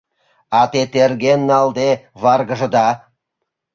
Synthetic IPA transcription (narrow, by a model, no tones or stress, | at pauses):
ɑt̪et̪erɡenːɑld̪eβɑrɣə̆ʒɤ̆d̪ɑ